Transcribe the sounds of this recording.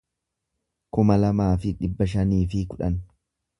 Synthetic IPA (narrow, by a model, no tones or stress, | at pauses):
kʊmɐlɐmaːfɪᶑɪbːɐʃ̬ɐniːfɪkʊᶑɐ̰n